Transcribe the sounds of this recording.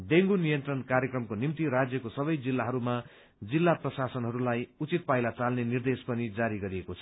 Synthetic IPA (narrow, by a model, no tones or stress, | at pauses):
d̪eŋɡunijʌnt̪rʌnkaɾjekrʌmkonimt̪iɾad͡zjʌkosʌbʌjd͡zilːaɦʌɾuma | d͡zilːaprʌsasʌnɦʌɾulajut͡sit̪̚pajlat͡salnenird̪espʌnid͡zaɾiɡʌɾiekot͡sʰʌ̥